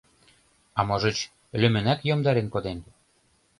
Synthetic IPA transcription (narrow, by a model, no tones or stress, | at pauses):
ɑmoʒɤ̆t͡ɕ | lø̆mɘ̆nækjomd̪ɑɾenkod̪en